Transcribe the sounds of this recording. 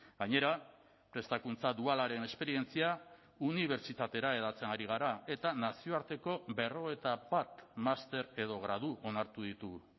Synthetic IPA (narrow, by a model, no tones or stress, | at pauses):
ɡ̥aɲe̞ɾa | pɾe̞st̪akunt͡saðualaɾe̞ne̞spe̞ɾie̞nt͡sia | uniβ̞e̞ɾt͡ʃit̪at̪e̞ɾae̞ðat͡se̞naɾiɣ̞aɾae̞t̪anasio̞aɾt̪e̞ko̞be̞ro̞e̞t̪abat̪mast̪e̞ɾe̞ðo̞ɣɾaðuʔo̞naɾt̪uðit̪uɣ